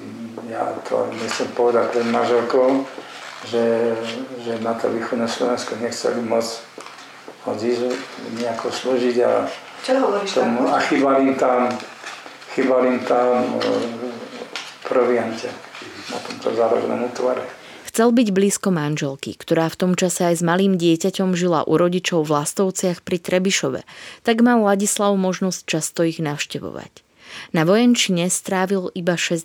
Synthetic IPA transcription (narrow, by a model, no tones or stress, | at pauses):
ja̰t̪ʰɔ̰ɲɛxt͡sɛmpɔʋɛd̪ac̚pɾɛd̪manʒɛlkɔʊ | ʒɛ | ʒɛnat̪ɔ̰ʋiːxɔd̪nɛslɔʋɛnskɔɲɛxt͡sɛ̰limɔd͡z | hɔd͡zizɲɛakɔsluːʒiɟa̰ | t͡ʃɦɔɾiʃt̪ɔmuaxiːbalimt̪am | xiːbalimt̪am | pɾɔʋɪancɛna̰t̪ɔmt̪ɔ̰zaɾɔ̰ɡnɛ̰mut̪ʋaɾɛ | xt͡sɛlbiɟbliːskɔmanʒɛlkḭkt̪ɔɾaːft̪ɔmt͡ʃasɛajzmaliːmɟɪɛcacɔmʒila̰ʔuɾɔɟit͡ʃɔʊvlast̪ɔʊt͡sɪaxpɾit̪ɾɛbiʃɔʋɛ̰t̪aɡmalaɟislaʊmɔʒnɔsc̚t͡ʃast̪ɔiɣnaʊʃcɛʋɔ̰ʋa̰c | naʋɔjɛnt͡ʃiɲɛst̪ɾaːʋilibaʃɛs